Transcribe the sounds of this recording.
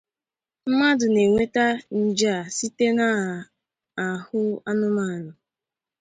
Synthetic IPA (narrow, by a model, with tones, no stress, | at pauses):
m̩˦ma˦dʊ˨ne˨ŋʷe˦ta˦n̩˨d͡ʒa˦a˨si˦te˦na˦ | a˨hʊ˦a˦nʊ˦ma˦˨nʊ˨